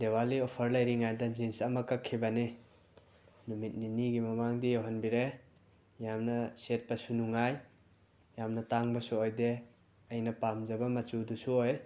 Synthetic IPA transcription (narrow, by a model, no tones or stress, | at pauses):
dewaliopʰɐɾlɐjɾiŋajdɐd͡ʒinsɐmɐkɐkʰːibɐni | numit̚niniɡimɐmaŋdijoɦɐnbiɾe | jamnɐset̚pɐsunuŋaj | jamnɐtaŋbɐsuojde | ɐjnɐpamd͡ʒɐbɐmɐt͡ʃudusuoj